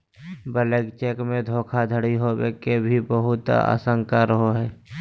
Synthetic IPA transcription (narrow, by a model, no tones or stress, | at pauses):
bəleɡt͡ʃeːkmẽd̪ʱoːkʰad̪ʱəɽiɦobḛkebʱibəɦʊt̪a̰ːsə̃ŋkaɾəɦoɦɛː